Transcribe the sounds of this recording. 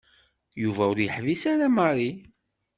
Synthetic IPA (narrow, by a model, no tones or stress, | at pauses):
juvæʊɾjəħvisaɾaməɾˤi